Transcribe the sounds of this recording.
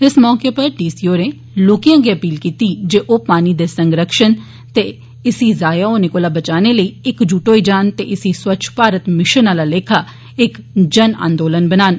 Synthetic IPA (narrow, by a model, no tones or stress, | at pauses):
ɪsmɔːkeːpəɾɖiːsiːoːɾeː | loːkijãːɡiːəpiːlkiːt̪iːd͡ʒeːʔoːpaːniːd̪eːsəŋɡɾəkʃən | t̪eː | ɪsiːzaːjaːoːneːkoːlaːbət͡ʃaːneːləiːɪkd͡ʒuːʈoːid͡ʒaːnt̪ḛːʔɪsiːswətːʃʰpaːɾət̪mɪʃənaːlaːleːkʰaː | ɪkd͡ʒənã̰ːnd̪oːlənbənaːn